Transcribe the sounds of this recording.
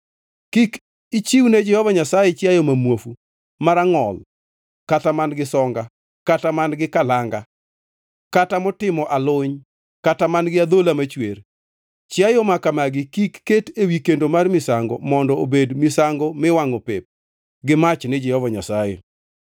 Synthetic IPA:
kik | it͡ʃiwned͡ʒɛhɔvaɲasajɛt͡ʃjajomamwofu | maɾaŋɔl | katamanɡɪsɔŋɡa | katamanɡɪkalaŋɡa | katamɔtɪmɔʔalʊɲ | katamanɡɪad̪olamat͡ʃwer | t͡ʃjajomakamaɡɪkikːetewikendomarmɪsaŋɡɔ̰mɔndɔobedmɪsaŋɡɔmɪwaŋopep̚ | ɡɪmat͡ʃnɛd͡ʒɛhɔvaɲasajḛ

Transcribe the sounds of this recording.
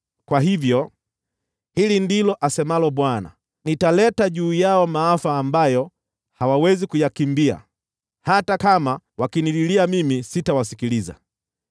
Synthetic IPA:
kwaɦivjɔ | hilindilɔʔasɛmalɔɓwana̰ | nitalɛtaʄuːjaɔmaːfaːmbajɔ | hawawɛzikujakimbia̰ | hatakamawakinililiamimisitawasikiliza̰

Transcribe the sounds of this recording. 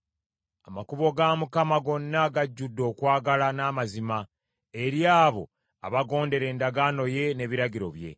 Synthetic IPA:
amakuβo̞ɡamukamaɡo̞nːaɡaɟːudːo̞ːkwaːɡalanaːmazima | e̞ɾjaːβo̞̰ | a̰βaɡo̞ːnde̞ɾe̞ːndaɡaːno̞je̞ne̞βiɾaɟiɾo̞̰βje̞̰

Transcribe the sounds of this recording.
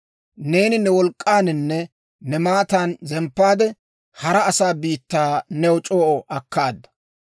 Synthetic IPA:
ne̞ːnɪnɛwɔlkʼːaːnɪnːɛ | nɛmaːt̪aːnzɛmpːaːd̪ɛ | hɐɾɐːsaːbiːt̪ːaːnɛwɔt͡ʃʼoːʔɔʔɐkːaːd̪ːɐ̥

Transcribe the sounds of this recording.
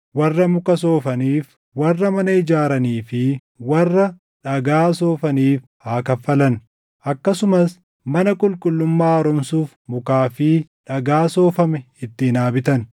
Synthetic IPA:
wɐrːɐmʊkɐso̞ːfɐniːf | wɐrːɐmɐnɐɪd͡ʒaːɾɐniːfɪ | wɐrːɐ | ᶑɐɡaːsoːfɐniːf | haːkɐfːɐlɐn | ʔɐkːɐsʊmɐs | mɐnɐkʼʊlkʼʊlːʊmːaːɔɾɔmsuːf | mʊkaːfɪᶑɐɡaːso̞ːfɐmɛ | ɪt̪ːɪːnaːbɪt̪ɐn

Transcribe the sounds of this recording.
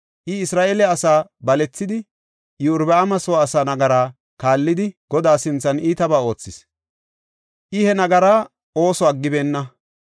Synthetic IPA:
ʔɪɪsɾaːʔeːlɛɐsaːbɐlɛt͡sːɪd̪ɪ | jɪʊɾbɛɐmɐsɔwaːsaːnɐɡɐɾaː | kaːlːɪd̪ɪɡ̥ɔd̪aːsɪnt͡sːɐniːt̪ɐbaːo̞ːt͡sːɪs | ʔɪhɛnɐɡɐɾaː | o̞ːsɔɐɡːɪbeːnːɐ

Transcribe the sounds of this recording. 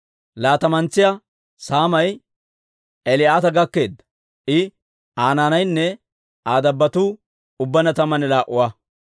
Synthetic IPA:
laːt̪ɐmɐnt͡sːɪjɐ | saːmɐj | ɛlɪaːt̪ɐɡɐkːe̞ːd̪ːɐ̥ | ʔɪ | aːnaːnɐjnːɛ | aːd̪ɐbːɐt̪uː | ʊbːɐnɐt̪ɐmɐnɛlaːʔʊwa

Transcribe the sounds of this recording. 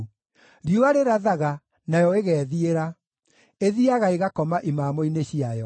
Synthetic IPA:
ɾioaɾeɾaðaɣa | najɔeɣɛːðieɾa | eðiaɣaeɣakɔmaʔimaːmoineɕiajɔ

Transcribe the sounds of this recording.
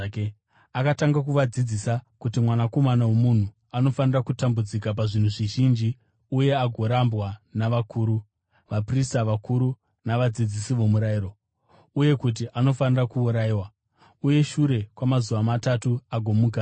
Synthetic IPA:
akataŋɡak̬uʋad͡zid͡zisakutimwanako̞manawemun̤u | ano̞fanirakutambud͡zikap̬aʐin̤uʐiʒind͡ʒi | uje̞aɡʱo̞ɾambwanaʋakuːɾu | ʋapristaʋakuɾu | naʋad͡zid͡zisiʋo̞muɾaiːɾo̞ | uje̞kut̬iʔano̞fanirakuːɾaiwa | uje̞ʃuɾe̞kwamazuʋamatatuaɡʱo̞muːka

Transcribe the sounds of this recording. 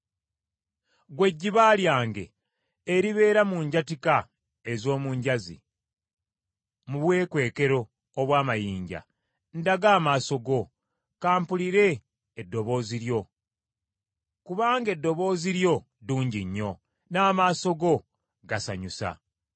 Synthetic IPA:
ɡwe̞ɟːiβaːljaːŋɡe̞̰ː | ɾiβe̞ːɾamuːɲɟatika | ezo̞ːmuːɲɟazḭ | muβwe̞ːkwe̞ːke̞ɾo̞ː | βwaːmajiːɲɟa̰ | ndaɡaːmaːso̞ɡo̞ | kaːmpuliɾe̞ː | dːo̞βo̞ːziɾjo̞ | kuβaːŋɡe̞dːo̞βo̞ːziɾjo̞ | duːɲɟiɲːo̞ | naːmaːso̞ɡo̞ | ɡasa̰ɲusa̰

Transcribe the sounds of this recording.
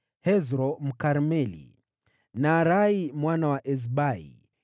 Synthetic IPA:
hɛzɾɔm̩kaɾmɛlḭ | naːɾaimwanawaʔɛzɓaḭ

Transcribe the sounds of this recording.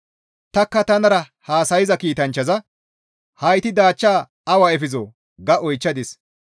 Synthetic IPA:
t̪ɐkːɐt̪ɐnɐɾɐ | haːsɐjɪzɐkiːt̪ɐnt͡ʃːɐzɐ | hɐjt̪ɪd̪aːt͡ʃːaː | ɐwɐɛfɪzoː | ɡɐʔɔjt͡ʃːɐd̪ɪs

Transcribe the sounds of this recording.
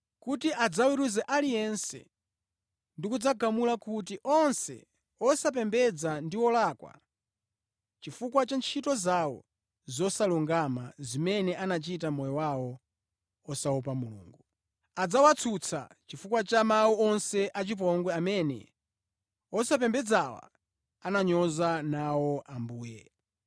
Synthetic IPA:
kutiʔad͡zawiɾuzɛʔalijɛnsɛ̰ | ndikud͡zaɡamulakut̬iʔɔnsɛ̰ | ɔsap̬ɛmbɛd͡zandiwɔlakwa̰ | t͡ʃifukwat͡ʃant͡ʃʰitɔzawɔ̰ | zɔsaluŋɡama̰zimɛnɛʔanat͡ʃitamɔjɔwawɔ | ɔsaɔpamulṵːŋɡu | ad͡zawat͡sʰut͡sʰa̰t͡ʃifukwat͡ʃamauɔnsɛʔat͡ʃip̬ɔŋɡwɛamɛnɛ̰ | ɔsap̬ɛmbɛd͡zawa̰ | anaɲɔzanawɔʔambuːjɛ̰

